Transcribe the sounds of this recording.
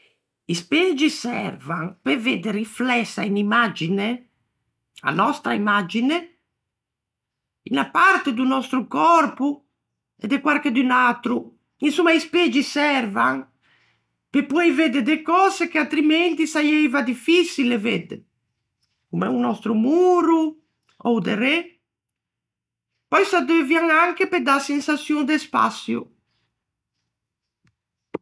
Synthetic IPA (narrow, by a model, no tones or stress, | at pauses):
isped͡ʒisɛ̰rvaŋpeved̪eɾiflɛsːainimad͡ʒine | a̰nɔst̪ɾaimad͡ʒine | inapaɾt̪ed̪unɔst̪ɾukɔrpu | ḛd̪ekwaɾked̪ynat̪ɾu | insumːaisped͡ʒisɛrvaŋ | pepuɛjved̪ed̪ekɔːzekeat̪ɾiment̪isajɛjvad̪ifisileved̪ḛ | kumɛ̰unɔst̪ɾumuːɾu | ɔwd̪ere | pɔjsad̪evjaŋaŋkeped̪asensasjund̪espa̰sjṵ